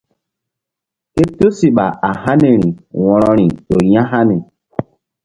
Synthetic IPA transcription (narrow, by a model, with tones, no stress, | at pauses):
ke˦to˦si˨ɓa˨a˨ha˦ni˨ɾi˨wɔ̃˨ɾɔ̃˨ɾi˨ɗo˨jã˦ɦa˦ni˨